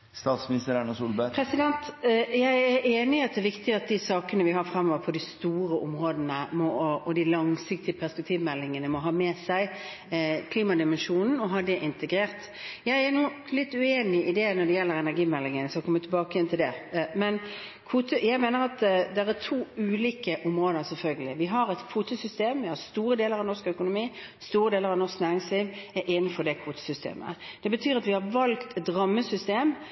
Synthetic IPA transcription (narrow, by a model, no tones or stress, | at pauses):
st̪ɑːt̪smɪnɪst̪əɾænəsuːlbəpʰɾɛsɪd̪ɛnt̪jæɪæɾʔeːnɪɑt̪̚d̪ɛʋɪkt̪ɪɑt̪̚d̪isɑːkənəʋɪɦɑfɾɛmːɔːʋəɾpʰɔd̪ɪst̪uːɾəʔɔmʁoːd̪ənəmɔɔd̪ɪlɑŋsɪk̚t̪ɪəpʰæʁspɛk̚t̪ʰiːʋmɛlːɪŋənəmɔɦɑːmɛːsæɪ | kʰliːmɑd̪ɪmɛnʂuːnn̩ɔɦɑːd̪ɛʔɪnt̪əɡɾeːʁt̪ | jæɪænuː | lɪt̪ːʉeːnɪʔɪd̪ɛnɔɖɛjɛlːəɾɛnæɾɡiːmɛlːɪŋənsɑkʰɔmːət̪ʰɪlbɑːkəjɛnt̪ʰɪld̪ɛmɛn | kʰuːt̪ʰəjæɪmeːnəɾɑt̪d̪ɛɾæt̪ʰuːʉːliːkəʔɔmɾoːd̪əɾsɛlfœlɡəlɪʋɪɦɑɾɛt̪kʰuːt̪əsʏst̪eːmʋɪhɑɾst̪uːɾəd̪eːləʁɑʋnɔʁskœkʊnʊmiː | st̪uːɾəd̪eːləɾɑʋnɔsknæːɾɪŋsliːʋæɾʔɛːnɪfɔd̪ɛkʰʋuːt̪ə̥sʏst̪ḛːmə̰d̪̥ɛbət̪ʰyːɾɑt̪ʋɪhɑɾʋɑlkt̪ɛt̪ɾɑmːəsʏst̪eːm